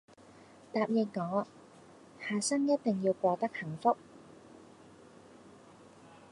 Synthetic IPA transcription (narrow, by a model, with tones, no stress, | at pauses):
t̪aː˨˧p̚jɪ˧t̚ŋɔː˨˥ | haː˨˩sɐ˥ŋjɐ˥t̪̚t̪ɪ˨ŋjiː˧wkʷɔː˧t̪ɐ˥k̚hɐ˨˩ŋfʊ˥k̚